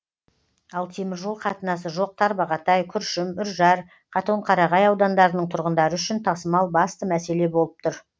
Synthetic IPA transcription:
ɑlˠt̪ʰe̞mɪɾʒo̞lˠqʰɑt̪ənɑs̬əʒo̞q̚t̪ʰɑɾbɑʁɑt̪ɑjkʲʰʏɾʃɪmʏɾʒɑɾ | qʰɑt̪oɴqʰɑɾɑʁɑjɑwd̪ɑnd̪ɑɾənəɴt̪ʰʊɾʁənd̪ɑɾəʏʃɪnt̪ʰɑsəmɑlˠbɑst̪əmæse̞le̞bo̞lˠəp̚t̪ʰʊɾ

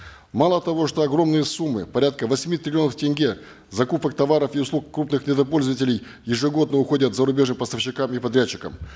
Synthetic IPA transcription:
malˠət̪ɐvo̞ʂt̪o̞ɐɡɾo̞mnɨjəsumːɨ̰pɐɾʲat̪̚kəvɐsʲmʲit̪ɾʲɪlʲɪo̞nəftʲɪnʲɡʲe | zɐkupək̚t̪ɐvaɾəfiʊslˠukkːɾupnɨxnʲɪd̪ɐpo̞lʲzəvətʲɪlʲɪj | jɪʐɨɡo̞d̪̚nəʊxo̞dʲət̪zəɾʊbʲe̞ʐnɨmpəst̪ɐfɕːɪkamipɐd̪ɾʲæt͡ɕːɪ̥kə̰m

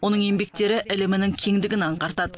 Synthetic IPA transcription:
wo̞nəɴe̞mbe̞k̚t̪e̞ɾɪʔɪlɪmɪnɪŋkʲʰe̞ŋd̪ɪɡʲɪnɑɴqɑɾt̪ɑd̪ə

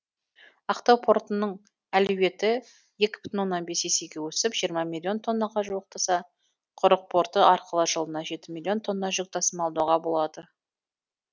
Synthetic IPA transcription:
ɑqt̪owpʰo̞ɾt̪ənəɴ | ælɵwe̞t̪ɪ | je̞kʲɪ̥b̥ɪ̥t̪ɪnwo̞nːɑnbe̞se̞se̞ɡʲe̞wɵsɪpʒ̥ijəɾmɑmʲilʲːio̞nt̪ʰo̞nːɑʁɑʒuwəq̚t̪ʰɑsɑ | qʰʊɾəq̚pʰo̞ɾt̪əʔɑɾqəlˠəʒəlˠənɑʒe̞t̪ɪmʲilʲːio̞nt̪ʰo̞nːɑʒʏk̚t̪ʰɑsəmɑlˠd̪uʁɑbo̞lˠɑd̪ə

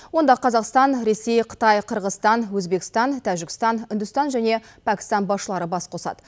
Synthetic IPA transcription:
wo̞nd̪ɑqʰɑzɑqst̪ɑnɾe̞se̞jqʰə̥t̪ɑjqʰəɾʁəst̪ɑnwɵzbe̞kʲɪ̥st̪ɑnt̪ʰæʒɪkʲɪ̥st̪ɑnɪnd̪ʊst̪ɑnʒæne̞ | pʰækʲɪ̥st̪ɑnbɑsʃəlˠɑɾəbɑsqʰo̞sɑ̰d̪̥ə

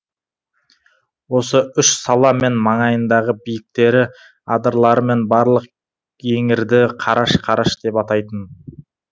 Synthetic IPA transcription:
wo̞səʏʃsɑlˠɑme̞nmɑɴɑjənd̪ɑʁəbijɪk̚t̪e̞ɾɪ | ɑd̪əɾlˠɑɾəme̞nbɑɾlˠəq | e̞ŋɪɾd̪ɪqʰɑɾɑʃqʰɑɾɑʃd̪e̞pɑt̪ɑjt̪ən

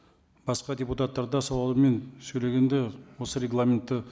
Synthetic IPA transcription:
b̥ɑsqɑd̪ʲeput̪at̪ːɑɾd̪ɑsɑwɑlˠəme̞nsɵjle̞ɡʲe̞nd̪ewo̞səɾʲe̞ɡlˠamʲent̪ːɪ

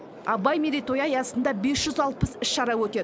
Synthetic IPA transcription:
ɑbɑjmed̪ejt̪ʰo̞jɑjɑsənd̪ɑbe̞sʒ̥ʏzɑlˠpəsɪʃʃɑɾɑwɵt̪e̞

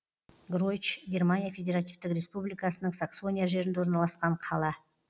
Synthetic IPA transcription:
ɡro̞t͡ʃɡʲe̞rmanʲijafʲe̞dʲe̞ɾat̪ivt̪ɪkɾʲe̞spublijkasənəɴsakso̞nʲijaʒe̞ɾɪnd̪eo̞ɾnɑlˠɑsqɑɴqʰɑlˠɑ

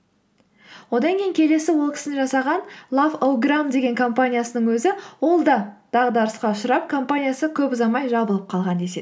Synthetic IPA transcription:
wo̞d̪ɑŋkʲejɪŋkʲʰe̞le̞sɪwo̞lˠkʲɪ̥sɪnɪʒɑsɑʁɑnlˠavowɡramd̪e̞ɡʲe̞ŋkʰo̞mpanʲijasənəɴwɵzɪwo̞lˠd̪ɑd̪̥ɑʁəd̪ɑɾəsqɑʊʃəɾɑp̚kʰo̞mpanʲijasəkʲʰɵpzɑmɑjʒɑbəlˠəp̚qʰɑlˠʁɑnd̪e̞se̞d̪

